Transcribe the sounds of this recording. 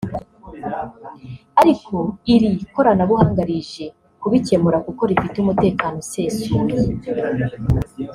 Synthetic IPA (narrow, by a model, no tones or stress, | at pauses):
aɾikʰo̞iɾiko̞ɾanaβuhaːŋɡaɾiʒe̞ | kuβice̞muɾakuko̞ɾifitumute̞ːkano̞seːsu